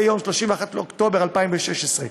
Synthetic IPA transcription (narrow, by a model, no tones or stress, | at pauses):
jomʃloʃimveaχat̪leokt̪o̞beʁalpaimveʃeʃesʁe